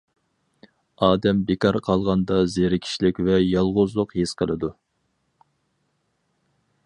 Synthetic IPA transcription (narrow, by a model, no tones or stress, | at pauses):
ɑːd̪ɛmbekʰɑɾqʰɑlˠʁɑnd̪ɑzeɾɪkʲʰi̥ʃlɪkʲvɛjɑlˠʁʊzlˠʊqjesqʰəlˠɨd̪u